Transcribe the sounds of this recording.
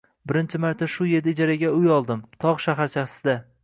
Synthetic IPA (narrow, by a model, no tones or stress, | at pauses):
bɪɾɪnt͡ʃʰɪmaɾt̪ʰaʃʊje̞d̪ɪːd͡ʒaɾaɡʲaʊjɒlˠd̪ɪmt̪ʰɒʁʃaɦaɾt͡ʃʰaχsɪd̪a